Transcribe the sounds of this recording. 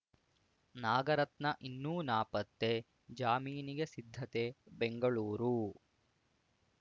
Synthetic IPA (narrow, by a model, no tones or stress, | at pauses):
naːɡɐɾɐt̪nɐʔinːuːnaːpɐt̪ːe | d͡ʒaːmiːniɡesid̪ʱːɐt̪e̞beŋɡɐɭuːɾu